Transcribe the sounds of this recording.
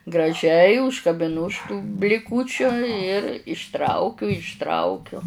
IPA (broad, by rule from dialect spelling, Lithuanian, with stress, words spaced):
ɡrɐˈʒʲɛɪ ʊʃkɐbʲɪˈnʊ ʊʃ tuː bʲlʲɪˈkuːt͡ʃʲʊ ɪr ɪʃˈtrɐʊkʲʊ ɪʃˈtrɐʊkʲʊ